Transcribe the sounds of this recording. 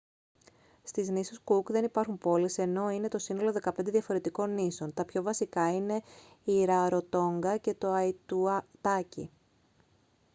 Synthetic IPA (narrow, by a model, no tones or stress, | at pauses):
st̪iznisuskukðe̞nipɐɾxumpo̞lise̞no̞ine̞t̪o̞sino̞lo̞ðe̞kɐpe̞nd̪e̞ðiɐfo̞ɾe̞t̪iko̞nːiso̞nt̪ɐpço̞vɐsikɐine̞ | iɾɐɾo̞t̪o̞ŋɡɐce̞t̪o̞ɐit̪ut̪ɐcḭ